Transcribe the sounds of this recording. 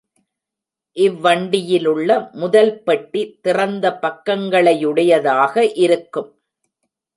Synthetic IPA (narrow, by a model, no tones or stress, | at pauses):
ʔɪʋːɐɳɖɪjɪlɯɭːɐmʊðɐlpɐʈːit̪ːɪrɐnd̪ɐpɐkːɐŋɡɐɭɐjɯɽɐjɐðaːɣɐʔɪɾɯkːɯm